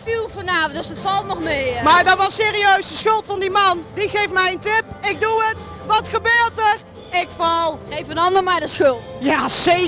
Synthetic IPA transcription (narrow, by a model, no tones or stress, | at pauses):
filˠvɔnaːvdəsətfɑlˠtnɔχmejmaːɹdɑtʋɑseːriøɥsdəsχɵlˠtfɑndimɑndiχejftmɛjəntɪpɪk̚duət | ʋɑtχəbøːɹtər | ɪkfɑlˠejfənɑndəɹmaɹdəsχɵlˠtjaːse